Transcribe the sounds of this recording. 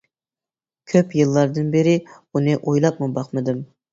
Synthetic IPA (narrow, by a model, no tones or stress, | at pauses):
kʲʰøpjɨlˠːɑɾd̪ɨnbɪɾɪ | unɨʔojlˠɑp̚mɨbɑqmɨd̪ɨm